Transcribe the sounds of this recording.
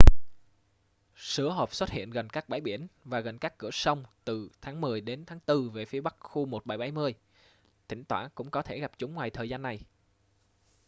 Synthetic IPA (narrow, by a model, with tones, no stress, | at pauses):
sɨ˧˦əɦo˨˩p̚swə˦˥t̚hḭ˧˨ənɣə˨˩nkaː˦˥k̚ɓaː˧˩jɓi˧˩ənvaː˨˩ɣə˨˩nkaː˦˥kːɨ˧˩əsə˧wŋ͡mt̪ɨ˨˩t̪ʰaː˨˦ŋmɨ˨˩əjɗe˨˦nt̪ʰaː˨˦ŋt̪ɨ˧ve˨˩fi˨˦əɓa˦˥k̚xu˧mo˨˩t̚ɓa˧˩jɓa˨˧˩jmɨ˧əj | t̪ʰï˧˩˦ŋ̟t̪waː˧˩kʊ̰˧˥ŋ͡mkɔ˨˦t̪ʰe˧˩ɣa˨˩p̚t͡ɕʊ˨˦ŋ͡mŋwaː˨˩jt̪ʰəː˨˩zaː˧nːa˨˩j